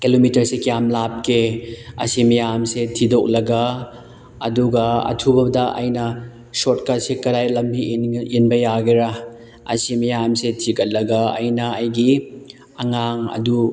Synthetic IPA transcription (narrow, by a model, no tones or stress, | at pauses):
kilomitɐɾsikijamlap̚keɐ̰simɐjamsetʰidok̚lɐɡɐ | ɐduɡɐɐ̰tʰubɐdɐʔɐ̰jnɐ | sot̚kasikɐɾajlɐmbinenbɐjaɡeɾa | ɐ̰simijamsetʰiɡɐt̚lɐɡɐɐ̰jnɐɐjɡi | ɐŋaŋɐ̰du